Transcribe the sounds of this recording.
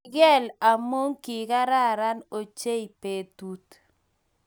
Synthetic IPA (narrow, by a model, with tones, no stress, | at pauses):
ɡɛ˦la˨mo˦ŋkɪ˨ka˦ɾa˦˨ɾa˦no˨t͡ʃe˦i˨pe˨t̪u˦t̪